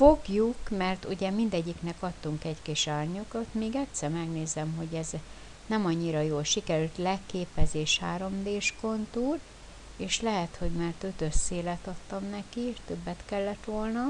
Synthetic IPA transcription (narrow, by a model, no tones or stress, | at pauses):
fo̞ɡjukmɛrt̪uɟɛmind̪ɛɟːiknɛkɒt̪ːuŋkɛckiʃaːrɲokot̪meːɡɛt̪sɛrmɛɡneːzɛmɦo̞ɟɛz | nɛmɒɲːiɾɒjoːlʃikɛɾylt̪lɛkːeːpɛzeːʃhaːɾo̞md̪eːʃko̞nt̪uːr | eːʃlɛɦɛt̪ho̞ɟmart̪øt̪øsːeːlɛt̪ɒt̪ːɒmnɛkieʃt̪øbːɛt̪kɛlːɛt̪ʋo̞lnɒ